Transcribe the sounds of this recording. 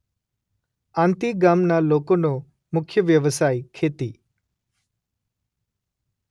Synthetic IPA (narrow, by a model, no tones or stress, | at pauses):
ãːnt̪iɡaːmnalokono | mʊkʰjəʋjəʋəsajkʰet̪i